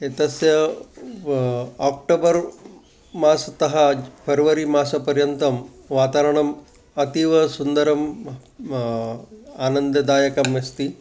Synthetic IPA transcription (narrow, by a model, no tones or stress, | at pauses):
et̪ɐsjɐ | aːk̚ʈoːbɐɾ | maːsɐt̪ɐɦɐpʰɐɾʋɐɾimaːsɐpɐɾjɐnt̪ɐm | ʋaːt̪aːɾɐɳɐm | ɐt̪iʋɐsund̪ɐɾɐm | aːnɐnd̪ɐd̪aːjɐkɐmʋɐst̪i